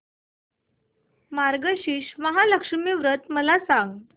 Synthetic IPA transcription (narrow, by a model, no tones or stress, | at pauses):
maɾɡəɕiːɕməɦaləkʂəmiʋɾət̪məlasaŋɡ